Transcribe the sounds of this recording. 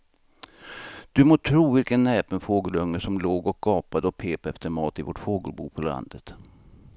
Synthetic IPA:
d̪̥ɵmoːt̪ʰɾuːvɪlkənːɛːpənfoːɡəlɵŋːəʂɔmloːɡɔk̚ɡɑːpad̪əɔpʰeːpɛft̪əɾmɑːt̪ɪvɔʈfoːɡə̰lbuːpʰɔla̰nd̪ət̪

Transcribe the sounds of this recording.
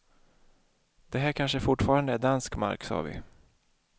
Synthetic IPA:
d̪̥ɛɦæːɾkʰanʂəfʊʈːfɑːɾand̪əæɖanskma̰ɾksɑ̰ːvɪ̰

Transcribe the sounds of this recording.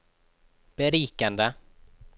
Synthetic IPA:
b̥ɛɾiːkand̪ə

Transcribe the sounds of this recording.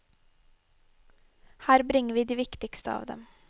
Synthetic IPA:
hæːɾbɾɪŋəʋiːd̪iːʋɪkt̪ɪkst̪əɑ̰ːʋd̪ɛ̰m

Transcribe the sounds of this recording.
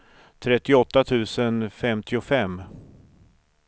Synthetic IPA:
t̪ʰɾɛt̪ːɪɔt̪ːat̪ʰʉ̟ːsənfɛmt̪ʰɪʊfɛmː

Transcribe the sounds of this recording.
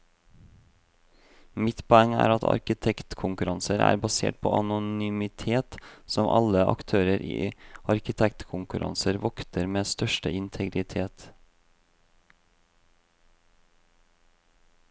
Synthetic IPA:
mɪt̪pʰɔɛŋːæ̰ːɾɑt̪ʰɑ̰ɾkɪt̪ʰɛkt̪kʰʊŋkʉɾɑnsəɾæ̰ːɾbɑsḛːʈ̚pʰo̰ːʔɑnʊnʏmɪt̪ʰeːt̪sɔmʔɑ̰ləʔɑ̰kt̪ʰøːɾəɾʔḭːɑɾkɪt̪ʰɛkt̪kʰʊŋkʉɾʔɑ̰nsəɾʋɔkt̪əɾmeːst̪œʃʈəɪnt̪ʰɛɡɾɪt̪ʰeːt̪

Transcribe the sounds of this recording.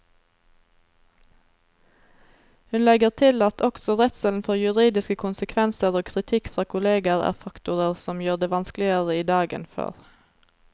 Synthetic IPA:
hʉnlɛɡəʁt̪ʰɪlɑt̪ʰɔksɔʁɛt̪səln̩fɔʁjʉʁiːd̪ɪskəkʰʊnsəkʰʋɛnsəʁoːkʰʁɪt̪ʰɪkfʁɑːkʰʊleːɡəʁæ̰ːʁfɑkt̪ʊʁəʁsɔmjøːʁd̪eːʋɑnsklɪəʁəiːd̪ɑːɡə̰nfø̰ːʁ

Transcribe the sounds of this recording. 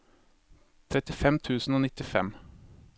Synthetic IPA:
t̪ʰɾɛt̪ɪfɛmt̪ʰʉːsn̩oːnɪt̪ɪfɛ̰m

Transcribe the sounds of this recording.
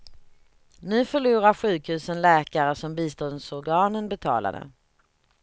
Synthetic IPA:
nʉ̟ːfœɭuːɾaɾɧʉ̟ːkhʉ̟ːsənlɛːkaɾəsɔmbiːst̪ɔnd̪sɔɾɡɑːnənbɛt̪ʰɑ̰ːla̰d̪ə̰

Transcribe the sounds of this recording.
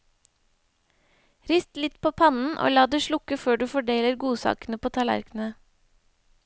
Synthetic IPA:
ɾɪst̪lɪt̪pʰoːpʰɑnn̩ʔo̰ːlɑːd̪eːʃlʊkəføːɖʉːfɔɖeːləɾɡuːsɑ̰ːkn̩əpʰoːt̪ʰɑlæ̰ɾkn̩ə

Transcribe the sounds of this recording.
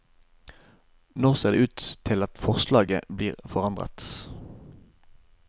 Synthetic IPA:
nɔʁseːʁd̪ḛːʉːt̪t̪ʰːɪlɑt̪fɔʁslɑːɡə̰bliːʁfɔʁɑnd̪ʁə̰t̪

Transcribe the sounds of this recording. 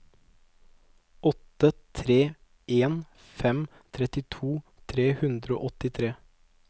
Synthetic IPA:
ʔɔt̪ət̪ʰɾeː | eːn | fɛm | t̪ʰɾɛt̪ɪt̪ʰuː | t̪ʰɾeːhʉnd̪ɾəo̰ːʔɔt̪ɪt̪ʰɾeː

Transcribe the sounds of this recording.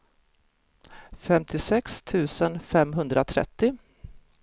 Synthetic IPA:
fɛmt̪ʰɪsɛkst̪ʰʉ̟ːsənfɛmɦɵnd̪ɾʔat̪ʰɾɛ̰t̪ːɪ

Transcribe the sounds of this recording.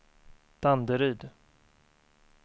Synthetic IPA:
t̪ʰand̪əɾyːd̪

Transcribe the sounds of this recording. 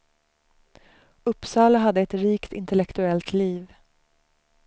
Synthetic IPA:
ɵpːsɑːlaɦad̪ːəɛt̪ɾiːkt̪ɪ̰nt̪ɛlɛkt̪ɵɛlt̪liːv

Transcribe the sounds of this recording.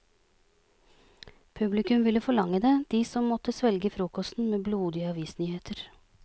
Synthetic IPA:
pʰʉblɪkʉmʋɪləfɔɭɑŋəd̪eːd̪̥iːsɔmmɔt̪əsʋɛlɡəfɾuːkɔst̪n̩meːbluːd̪ɪɑʋiːsnyːheːt̪ʰəɾ

